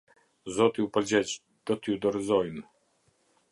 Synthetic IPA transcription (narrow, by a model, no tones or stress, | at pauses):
zɔt̪iupəɾd͡ʑɛt͡ɕ | d̪̥ɔt̪əjud̪ɔɾizɔjn